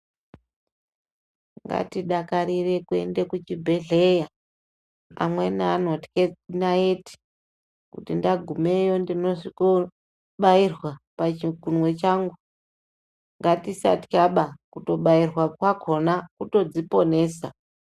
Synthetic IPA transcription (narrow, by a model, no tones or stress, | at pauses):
ŋɡa̰tiɗakaɾire̞kue̞̰nde̞kut͡ʃibʱe̞ɮeja | a̰mwe̞naːnotked͡zinaeti̥ | kṵtindaɡʱumejo̞ndino̞siko | ɓairwapat͡ʃikunwe̞t͡ʃaŋɡu | ŋɡatisa̰ti̥kaɓakuto̞ɓairwakwakʰo̞nakuto̞d͡zipo̞ne̞ːsa